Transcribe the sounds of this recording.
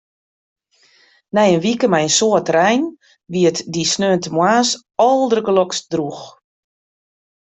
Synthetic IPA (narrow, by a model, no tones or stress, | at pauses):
nɛjənʋikəmɛjənsoətrɛjn | ʋiətdisnøːəntəmwaːs | ɔlˠdərɡəlɔksdrux